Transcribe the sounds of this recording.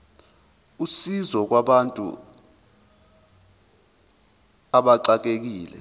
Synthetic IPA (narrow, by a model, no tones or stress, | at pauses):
usizɔk̬waɓantʼṵ | aɓaǀak̬ek̬iːlɛ̰